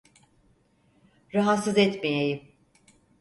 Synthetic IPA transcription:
ɾaɦat̪sɯzɛt̪mejejim

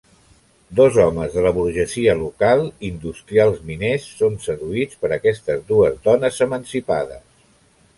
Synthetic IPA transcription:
d̪ɔzɔməzðələβuɾʒəziəlukalˠind̪ust̪ɾialˠzminesːonsəðuit͡spəɾəkɛst̪əzðuəzðɔnəzəmənsipa̰ðə̰s

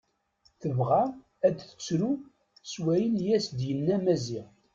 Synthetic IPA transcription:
θəvʁa | æd̪θə̥t͡sːɾu | swæjənjæsd̪jənːæmæziʁ

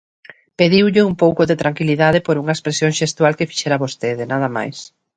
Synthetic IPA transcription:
peðiwʎɪumpowkoðet̪ɾaŋkiliðaðepoɾuŋɐespɾesjõŋʃest̪walkefi̥ʃɛɾaβost̪eðɪnaðɐma̰js

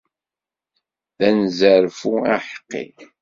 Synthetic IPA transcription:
ðænzəɾfuaħə̥qːḭ

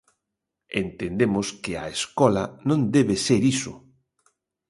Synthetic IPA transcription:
ḛnt̪end̪emʊskɪa̰eskɔlɐnõnd̪ɛβeseɾisʊ̰

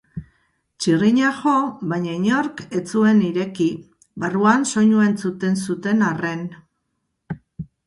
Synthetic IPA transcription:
t͡ʃiriɲaʝo̞βajɲaiɲo̞ɾke̞t͡sue̞niɾe̞ki | βaruanso̞ɲue̞nt͡sut̪e̞nsut̪e̞nare̞n

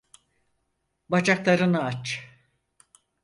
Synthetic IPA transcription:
bat͡ʃaklˠaɾɯnaat͡ʃ

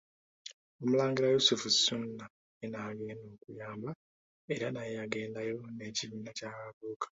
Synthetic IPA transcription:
omulaːŋɡiɾajusufusunːa | enaːɡe̞ːno̞ːkujaːmba | e̞ɾanajjaɡe̞ːndajone̞ːciβiːnacaːkaβoːkḁ

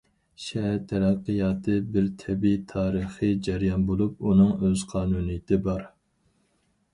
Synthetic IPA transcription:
ʃɛɦæɾt̪ʰɛɾæqːɨjɑːt̪ʰɨbɪɾt̪ʰɛbit̪ʰɑːɾəχɨd͡ʒæɾijɑnbolˠup̚unɨŋøz̥qʰɑːnunɨjɪt̪ʰɪbɑɾ

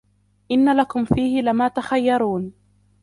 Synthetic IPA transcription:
ʔɪnːalakʊmfiːhɪlɪmaːt̪axajːɑɾˤuːn

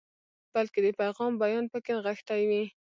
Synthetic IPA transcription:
b̥alked̪əpajɣɑmbajɑnpəkenɣəxt̪ajwi

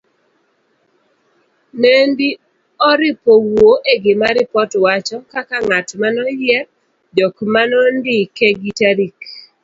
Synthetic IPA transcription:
nendi | ɔɾɪpowoʔeɡɪmaɾɪpɔtwat͡ʃɔkakaŋatmanɔjjɛ | dɔkmanɔndɪkeɡitaɾik

